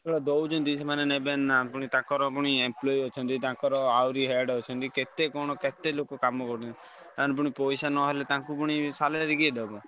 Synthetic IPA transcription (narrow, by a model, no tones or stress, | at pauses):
ɔɽad̪owd͡ʒɔnd̪ismanenebenːapɔɽ̃it̪ãkɔɾɔpɔɽ̃iemplɔjɔt͡ʃʰɔnt̪̬it̪ãkɔɾɔawɾiɦɛɖɦɔt͡ʃʰɔnt̪iket̪ekɔɽ̃ɔket̪elokokamɔkɔɾt̪ʰɔn | t̪ãnp̬uɽ̃ipojsanɔɦelet̪ãkupɔɽ̃isaleɾiɡied̪ebɔ